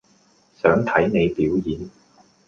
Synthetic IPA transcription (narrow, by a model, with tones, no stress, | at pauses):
sœː˨˥ŋt̪ʰɐ˨˥jne˨˧jpiː˨˥wjiː˨˧n